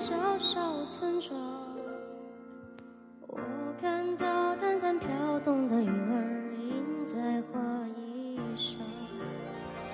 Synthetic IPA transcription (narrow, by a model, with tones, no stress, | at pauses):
ʂɑ˧˥ʊʂɑ˥˩ʊt͡sʰwə˥nʈ͡ʂʰwɑ˧˦ | wɔ̰˨˩kʰa˥˧nt̪ɑ˥˩ʊt̪a˥nt̪ʰa˧˥npʰjɑ˧˥ʊt̪ʊ˥˧ŋd̪ə˩y˨˩ə˧˥i˧˥nt͡sa˥˧ɪxwa˥˧i˧ʂɑ˧˥